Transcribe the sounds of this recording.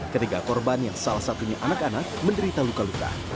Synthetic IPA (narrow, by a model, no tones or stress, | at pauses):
kət̪ikakɔrbanjaŋsalahsat̪uɲaʔanakanak̚məndəɾit̪alukaluka̰